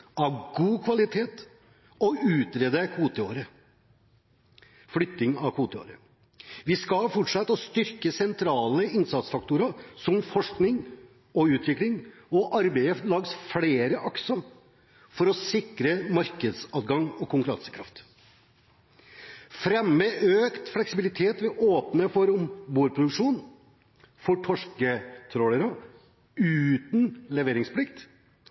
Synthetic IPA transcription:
ɑʋɡuːkʰʋɑlɪt̪ʰeːt̪ | ɔʉːt̪ɾeːd̪əkʰuːt̪əoːɾə | flʏt̪ːɪŋɑkʰuːt̪əo̰ːɾə̰ | ʋɪskɑlfɔʈʂɑt̪ːɔst̪ʏɾkəsɛnt̪ʰɾɑːləɪnsɑt̪sfɑk̚t̪uɾɑsɔmfɔʂknɪŋ | ɔʉːt̪ʋɪklɪŋɔʔɑɾbeɪəlɑːɡsfleːɾəʔɔksɔ | fɔɾɔsɪkɾəmɑɾkəd̪sɑːt̪ɡɑŋɔkʰʊŋkʉɾɑ̰nsjəkʰɾɑft̪ | fɾɛmːəʔøːkt̪flɛksɪbɪlɪt̪ʰeːt̪ʋɪʔoːpnəfɔɾʊmbuːɾpʰɾʊd̪ʉkʂuːn | fɔʈʰɔʂkət̪ʰɾɔːləɾɔ | ʉːt̪nlɛʋeːɾɪŋspʰlɪkt̪

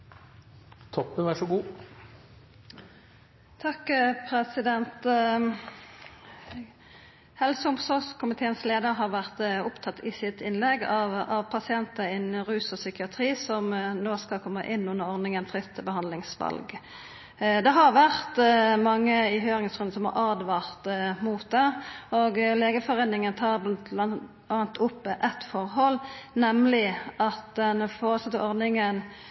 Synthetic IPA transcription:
t̪ʰɔpːənʋæʂɔɡuː | t̪ʰɑkːpʰʁɛsɪd̪ɛnt̪ | hɛlsəʊmsɔʁskʰʊmɪt̪ʰeːənsleːd̪əʁɦɑʁʋæʁt̪ʊpt̪ʰɑt̪ʰːɪsɪt̪ɪnlɛɡɑɑʋpʰɑsɪɛnt̪əɪnʁʉːsɔsʏkɪɑt̪ʰʁiːsɔmnoːskɑlkʰɔmːəʔɪnːʉnːəɾɔʁnɪŋənfʁɪt̪ʰːəbəhɑnd̪lɪŋsʋɑ̰lɡ | d̪ɛɦɑʁʋæʁt̪mɑŋːəɪɦøːɾɪŋsɡɾʉnəsɔmɑ̰ɾʔɑʁd̪ʋɑːʁt̪muːt̪̚d̪ɛoɡleːɡəfɔʁeːnɪŋənt̪ʰɑːʁ | ɑnt̪ʰʊpːʔɛt̪fɔʁɦɔlnɛmlɪɑt̪d̪ɛnfɔːʁəsət̪ːəʔɔʁd̪ɪŋən

